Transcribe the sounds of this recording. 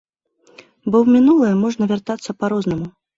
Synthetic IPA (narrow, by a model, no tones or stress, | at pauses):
bɔwmʲinulˠɐjɛmɔʐnɐvʲart̪at̪sːɐpaɾɔznɐmu